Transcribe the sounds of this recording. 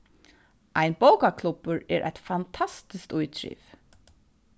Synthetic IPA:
ʔajnbowkakʰlʊpəɾɛ̰ːɾʔa̰jt̪fant̪ʰast̪ɪskt̪ujt̪ʰɾḭv

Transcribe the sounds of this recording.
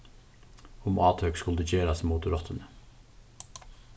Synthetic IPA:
ʊmʔɑːt̪ʰœkskʉld̪əd͡ʒeːɾɑsmuːt̪ɾɔt̪ʰənə

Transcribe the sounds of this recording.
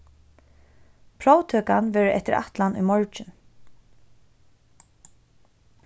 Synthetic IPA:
pʰɹoːwt̪ʰøːkanʋɛːɹɪʔɛ̰t̪ɪɹa̰ht̪lanʊ̰jmɔɹt͡ʃɪn

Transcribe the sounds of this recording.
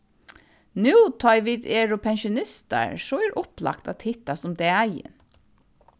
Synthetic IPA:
nʉːt̪ʰɔjʋid̪ɛːɹʊpʰɛnʃʊnɪst̪a̰ɹsɔɛɹʔʊpla̰kt̪at̪ʰɪt̪ːast̪ʊmd̪ɛajɪ̰n

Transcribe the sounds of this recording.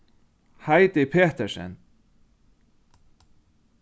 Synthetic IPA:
hajt̪ɪpʰeːht̪ɛʂɛ̰n

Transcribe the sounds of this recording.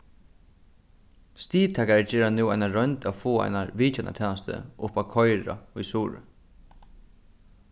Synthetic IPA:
st̪iːt̪ʰɛkaɾɛt͡ʃɛːɾanuwaɪnaɹœjnt̪afoːa̰ɪnaʋiːt͡ʃɛnʔa̰t̪ʰɛːnast̪ə̰ʊpakʰɔjɾa̰ʊjsuːɾə̰

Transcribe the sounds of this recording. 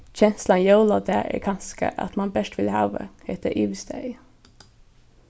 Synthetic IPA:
çɛnslɑnjɑʊlɑd̪ææ̰kʰɑnskə̰ʔɑ̰t̪mɑnbɛʃʈ̪ʋɪlhɑ̰ːʋə̰het̪əɾʔiːʋsd̪æɪ

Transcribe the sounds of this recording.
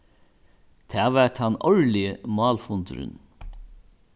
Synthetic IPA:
t̪ʰæːʋæt̪hɑnɔɹlɪəmɑːlfʊnt̪ɾə̰n

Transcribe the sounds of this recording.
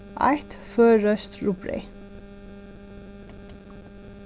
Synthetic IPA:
ʔɑ̰ɪt̪føːɹœst̪ɹupɹḛɪ

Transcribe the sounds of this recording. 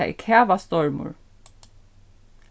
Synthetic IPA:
aḭkʰæːʋast̪ɔɹmʊ̰ɹ

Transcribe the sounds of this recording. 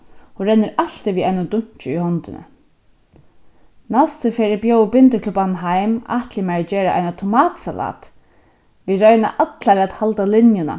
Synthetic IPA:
hʊɾɛnːɪɾal̥t̪ɪʋiːaɪnʊt̪ʊɲ̥t͡ʃɪihɔnt̪ɪ̰nə̰ | nast̪ʏfɛːɾɪbjowbɪnt̪əkʰlʊpanɦajma̰ht̪lɪmɛɹd͡ʒɛːɾa̰ʔa̰jnat̪ʰʊmaːt̪salʔa̰ːt̪ | viːɾœʏna̰ʔat̪laɾat̪halt̪alɪnjʊna̰

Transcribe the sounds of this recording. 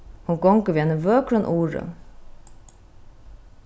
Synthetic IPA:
hʊnɡɔŋkəʋiːenəʋøːkɾənʔuːɹə̰

